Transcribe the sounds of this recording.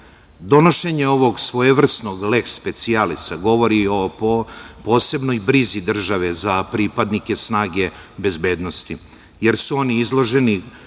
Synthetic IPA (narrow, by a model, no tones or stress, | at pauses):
d̪o̞no̞ʃe̞ɲe̞o̞ʋo̞ɡsʋojeʋr̩sno̞ɡle̞kspe̞t̪sialisaɡo̞ʋo̞ɾio | po̞ːse̞bno̞jbɾizid̪r̩ʒaʋe̞zapɾipad̪nike̞snaːɡe̞ | be̞zbe̞ːd̪no̞st̪i | je̞ɾsuo̞niizlˠo̞ʒe̞ni